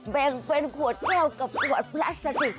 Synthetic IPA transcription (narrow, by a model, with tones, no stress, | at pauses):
ɓɛ˧˩nve˧nku˨˩ət͡ɕɛ˧wkə˨˩p̚kːɣɔ̰˧˨˩pla̰ː˦˥saː˧˩t̪i˧˩